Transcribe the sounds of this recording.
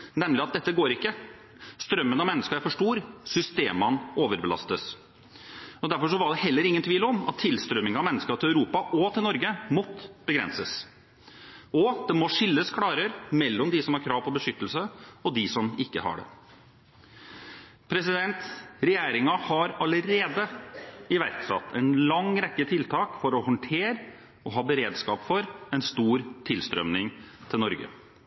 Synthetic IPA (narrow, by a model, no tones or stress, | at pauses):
nɛmːlɪɑt̪̚d̪ɛt̪ːəɡoːɾɪkːə | st̪ɾœmːənɑʋmɛnːəskəæfɔʂʈuːɾsʏst̪eːmɑnoːʋəɾbəlɑ̰st̪əs | ɔd̪æɾfɔʂɔʋɑɖɛhɛlːəɾɪŋːənt̪ʰʋiːlɔmɑ̰t̪ʰːɪlst̪ɾœmːɪŋɑmɛnːəskəɪlæʉɾuːpɑʔɔt̪ʰɪlnɔɾɡəmɔt̪ːbəɡɾɛ̰nsəs | ɔd̪̥ɛmɔʂɪlːəskʰɽɑːɾəɾmɛlːɔmd̪ɪsɔmhɑɾkʰɾɑːʋpʰɔbəʂʏt̪ːəlsəɔd̪ɪsɔmɪkːəhɑ̰ɖɛ̰ | pʰɾɛsɪd̪ɛnt̪ɾɛjeːɾɪŋɑhɑɾɑləɾeːd̪əɪʋæɾt̪sɑ̰t̪ːʰɛɪnlɑŋɾɛkːət̪ʰɪlt̪ʰɑːkfɔɾɔhɔɳʈʰeːɾ | ɔɦɑːbəɾeːd̪skɑːpfɔɾɛɪnst̪uːɾt̪ʰɪlst̪ɾœ̰mnɪŋt̪ʰɪlnɔɾɡə̰